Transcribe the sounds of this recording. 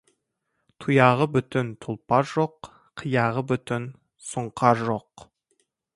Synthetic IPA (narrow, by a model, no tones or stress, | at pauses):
t̪ʰujɑʁəbʏt̪ɪnt̪ʰʊlˠpɑɾʒoq | qʰəjɑʁəbʏt̪ɪn | sʊɴqʰɑɾʒoq